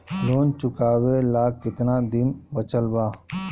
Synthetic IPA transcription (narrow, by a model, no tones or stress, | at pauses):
loːnt͡ʃʊkaːwelaːkːɪt̪naːd̪ɪnbət͡ʃəlbaː